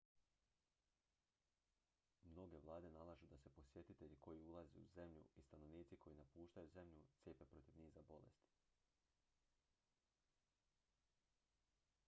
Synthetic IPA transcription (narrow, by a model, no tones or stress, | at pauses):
mno̞ɡe̞ʋlˠaːd̪e̞nalˠaʒud̪ase̞po̞sje̞t̪it̪e̞ʎiko̞jiulˠazḛuze̞mʎṵist̪ano̞ʋniːt̪sikʰo̞jinapuːʃt̪ajuze̞mʎut̪sjeːpe̞pɾo̞t̪iʋniːzabo̞lḛst̪i̥